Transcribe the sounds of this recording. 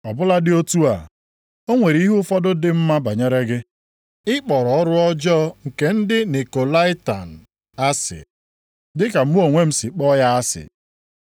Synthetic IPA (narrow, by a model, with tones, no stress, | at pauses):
ɔ˨bʊ˦la˦dɪ˦o˦tu˦a˨ | o˦ŋʷe˨ɾi˦ɦu˦fɔ˦dʊ˦dɪ˨m̩˦ma˦ba˨ɲe˦ɾe˦ɡɪ˦ | ɪ˦k͡pɔ˨ɾɔ˨ɔ˦ɾʊ˦ɔ˦d͡ʒɔ˦ŋ̩˨ke˨n̩˦dɪ˦ne˨ko˨la˦ɪ˦ta̰˨n̩˨ | a˦sɪ̰˨ | dɪ˦ka˨m̩˦mu˦o˨ŋʷe˦m̩˦sɪ˨k͡pɔ˦ja˦a˦sɪ̰˨